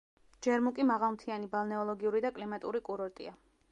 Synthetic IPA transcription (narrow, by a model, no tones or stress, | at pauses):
d͡ʒɛɾmukʼimaʁalˠmt̪ʰianibalˠnɛɔlˠɔɡiuɾid̪akʼlimat̪ʼuɾikʼuɾɔɾt̪ʼḭa